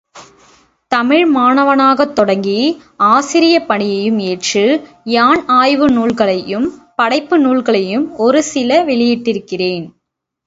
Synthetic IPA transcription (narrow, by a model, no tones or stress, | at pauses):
t̪ɐmɪɻmaːnɐʋɐnaːɣɐt̪ːɔɽɐŋɡiaːsɪɾɪjɐpɐɳɪjɐjɯmeːʈrɯ | jaːnaːjʋɯnuːɭɣɐɭɐjɯmpɐɽɐɪpːɯnuːɭɣɐɭɐjɯmɔɾɯsɪlɐʋɛɭɪjɪʈːɪɾɯkːɪreːn